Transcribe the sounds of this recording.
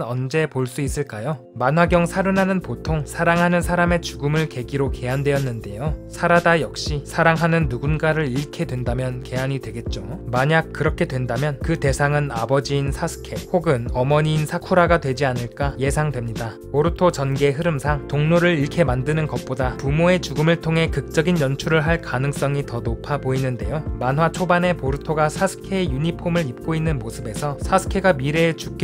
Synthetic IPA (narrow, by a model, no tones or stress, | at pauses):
ʌnd͡ʑe̞poɭs͈uis͈ɯɭk͈ajo | manɦwaɡjʌŋsʰaɾɯnanɯnpotʰoŋsʰaɾaŋɦanɯnsʰaɾame̞t͡ɕuɡɯmɯɭke̞ɡiɾoke̞andwe̞ʌnːɯnde̞josʰaɾadajʌk̚ɕ͈isʰaɾaŋɦanɯnːuɡunɡaɾɯɾiɭkʰe̞dwe̞ndamjʌnke̞aɲidwe̞ɡe̞t̚t͡ɕ͈omaɲak̚k͈ɯɾʌkʰe̞dwe̞ndamjʌnkɯte̞sʰaŋɯna̰bʌd͡ʑiːnsʰasʰɯ̥kʰe̞hoɡɯnʌmʌɲiːnsʰakʰuɾaɡadwe̞d͡ʑianɯɭk͈aje̞sʰaŋdwe̞mɲida | poɾɯtʰot͡ɕʌnɡe̞ɦɯɾɯmsʰaŋtoŋnoɾɯɾiɾkʰe̞mandɯnɯnɡʌp̚p͈odapumoe̞t͡ɕuɡɯmɯɭtʰoŋɦe̞kɯk̚t͡ɕ͈ʌɡinjʌnt͡ɕʰuɾɯɭɦaɭkanɯŋs͈ʌŋitʌnopʰaboinːɯnde̞̰jomanɦwat͡ɕʰobane̞poɾɯtʰoɡasʰasʰɯ̥kʰe̞ːjuɲipʰomɯɾip̚k͈oinːɯnmosʰɯbe̞sʰʌsʰasʰɯ̥kʰe̞ɡamiɾe̞t͡ɕuk͈e